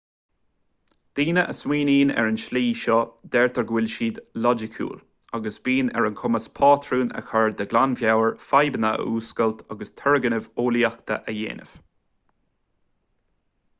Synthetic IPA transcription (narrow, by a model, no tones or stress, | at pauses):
d̪̥iːnəʔəswiːniːnɛ̰ɹənʃliːʃɔd̪ɛɹt̪ʰəɹɡwɪlʃiːd̪lɔd͡ʒɪkʰṵːl | aɡəsb̥iːnɛ̰ɹənkʰʊməspʰɑːt̪ʰɹuːnə̰kʰaɹd̪əɡlanvjawəɹfajbənəə̰uːskəlt̪ʰaɡəst̪ʰɛɹəɡənəvoːliakt̪ʰə̰ʔəjḛːnə̰v̥